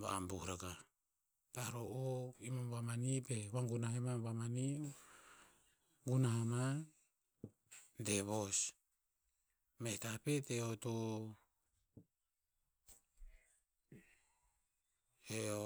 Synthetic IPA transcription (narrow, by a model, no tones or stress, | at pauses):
βa̰ːmbuhɾaɡa | paɾoʔoimamβamanipewaŋɡunahemaβamani | ɡunaɦama | deβos | mehtapeteoto | e